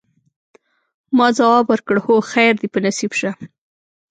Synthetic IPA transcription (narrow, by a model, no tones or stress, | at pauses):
mɑzawɑbwəɾkəɽhoxajɾd̪ipənasibʃa